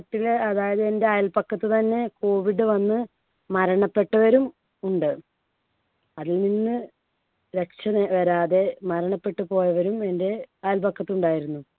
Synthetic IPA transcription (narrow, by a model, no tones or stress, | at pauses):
t̪ːilɐðaːjɐðɨe̞nde̞aːjɐlpɐkʰːɐt̪ːɨt̪ɐnːe̞ko̞ːʋiɖɨʋɐnːɨ | mɐɾɐɳɐpːe̞ʈːɐʋɐɾum | uɳɖɨ | ɐðilninːɨ | ɾe̞k̚ʂɐnʋɐɾaːðe̞mɐɾɐɳɐpːe̞ʈːɨpo̞ːjɐʋɐɾume̞nde̞aːjɐlpɐkːɐt̪ːuɳɖaːjiɾunːu